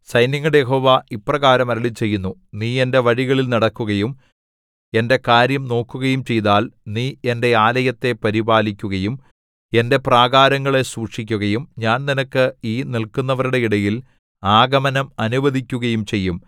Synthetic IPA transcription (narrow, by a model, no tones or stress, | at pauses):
sɐjnjɐŋːɐɽejeɦo̞ːʋaʔipːrɐɣaːɾɐmɐɾiɭit͡ɕe̞jːunːuniːe̞nde̞ʋɐɻiɣɐɭilnɐɽɐkːuɣɐjum | e̞nde̞kaːɾjɐmno̞ːkːuɣɐjumt͡ɕe̞jt̪aːlniːe̞nde̞aːlɐjɐt̪ːe̞pɐɾibaːlikʲːuɣɐjum | e̞nde̞praːɡaːɾɐŋːɐɭe̞suːkʂikʲːuɣɐjumɲaːnninɐkːɨiːnilkunːɐʋɐɾuɽe̞iɽɐjil | aːɡɐmɐnɐmɐnubɐðikʲːuɣɐjumt͡ɕe̞jːum